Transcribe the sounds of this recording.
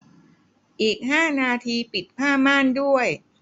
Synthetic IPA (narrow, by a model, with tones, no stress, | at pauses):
ʔiː˨˩k̚ɦaː˥˩naː˧t̪ʰiː˧pi˨˩t̪̚pʰaː˥˩maː˥˩ndu˥˩əj